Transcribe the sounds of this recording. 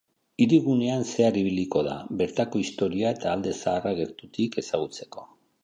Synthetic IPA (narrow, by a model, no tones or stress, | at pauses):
iɾiɣune̞anse̞aɾiβ̞iliko̞ða̰βe̞ɾt̪ako̞ist̪o̞ɾiae̞t̪aːld̪e̞saːraɣe̞ɾt̪ut̪ike̞saɣ̞ut͡se̞̥ko̞̥